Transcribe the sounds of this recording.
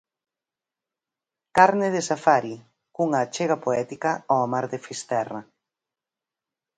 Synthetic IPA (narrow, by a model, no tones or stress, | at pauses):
kaɾnɪðɪsafaɾi | kuŋaːt͡ʃeɣapoɛt̪ikaɔamaɾðefist̪ɛra